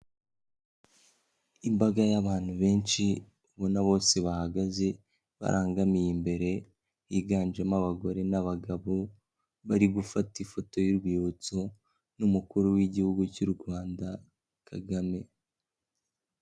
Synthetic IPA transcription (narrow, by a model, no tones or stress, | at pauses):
imbaɡajaβaːn̥huβe̞ːnʃi | uβonaβo̞ːse̞βahaɡaze̞ | βa̰ɾʔaːŋɡamijimbe̞ɾe̞ | iɡaːnd͡ʒemaβaɡo̞ɾe̞naβaɡaβo | βaɾiɡufatifo̞to̞juɾɡwiːβut͡so | numukuɾuwiɟihuɡucuɾuɡwaːnda | kʰaɡame̞